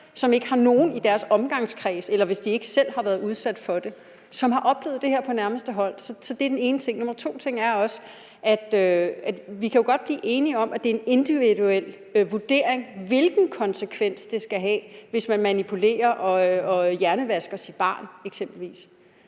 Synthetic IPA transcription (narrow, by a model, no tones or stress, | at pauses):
sɒ̽me̝ɡ̥əhɑ̈no̝ːn̩id̥æɐsɒ̽mɡ̥ɑ̈ŋskʰʁɛːselɐʋe̝sd̥ie̝ɡ̥əsel̰hɑ̈ʋæɐðˠuð̞ˠsæd̥fɒ̽d̥e̝ | sɒ̽mɦɑ̈ʔɒ̽b̥le̝̰ːð̞̩ˠd̥e̝ɦeɐ̰pʰɒ̽næɐməsd̥əɦɒ̽l̰sɒ̽sɒ̽d̥ed̥ene̝ːnət͡sʰe̝ŋ̰no̽mɐt͡sʰo̝̰ːt͡sʰe̝ŋ̰æɐɒ̽s | ʔæd̥øæ̥ʋikʰæjo̝ɡ̥ɒ̽d̥̚b̥liːʔe̝ːniɒ̽mʔæd̥e̝e̝ne̝nd̥iʋiðuel̰ | ʋuɐd̥e̝̰ɐ̰e̝ŋʋe̝lɡ̥n̩kʰɒ̽nsəkʰʋen̰sd̥e̝sɡ̥æɦɛ̰ːʋe̝smænmænipʰule̝̰ːɐʔɒ̽ɒ̽jæɐnəʋæsɡ̥ɐsid̥̚b̥ɑ̈ːneɡ̥sem̰b̥l̩ʋḭːs